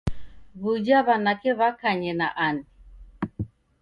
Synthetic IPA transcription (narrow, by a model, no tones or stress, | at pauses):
βud͡ʒaβanakɛβakaɲɛnaʔani